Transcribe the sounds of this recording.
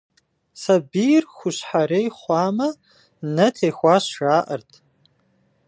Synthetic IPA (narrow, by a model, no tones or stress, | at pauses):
sabirxʷʊʃħaɾejχʷamɐ | nɐtʰejxʷaʃʒaːʔərtʼ